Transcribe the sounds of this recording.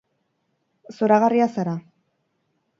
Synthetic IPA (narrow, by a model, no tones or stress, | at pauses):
soɾaɣariasaɾa